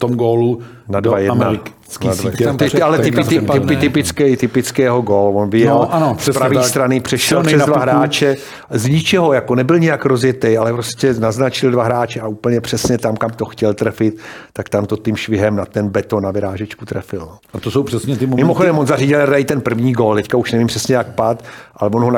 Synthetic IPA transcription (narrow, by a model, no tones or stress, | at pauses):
t̪omɡoːlu | nadvajɛdmaɾ | avat̪ɪalɛt̪ɪɪɪɪpɪt̪ɪpɪt͡skɛjt̪ɪpɪt͡skɪjɛɦoɡoːlvonvɪjɛlanosɛspaviːsst̪ɾanɪpr̝̥ɛʃɛlprɛzd̪vaaɦɾaːt͡ʃɛ | zɲɪt͡ʃɛɦo̞jako̞nɛbɪlɲɛjakɾozjɛt̪ɛjalɛpɾoscɛnaznat͡ʃɪldvaɦɾaːt͡ʃɛaʔuːpl̩ɲɛpr̥ɛsɲɛt̪amkamt̪o̞xcɛlt̪ɾɛfɪt̪ːakt̪amt̪o̞t̪ɪmʃvɪɦɛmnat̪ɛnbɛt̪onavɪɾaːʒɛt͡ʃkut̪ɾɛfɪlno | at̪osowpr̥ɛsɲɛt̪ɪmmɪmoxodɛmvonzariɟɪladajit̪ɛnpr̩vɲiːɡolt̪ɛckauʃnɛvimpr̥ɛsɲɛjak̚pat̪ʔalɛvonɦoa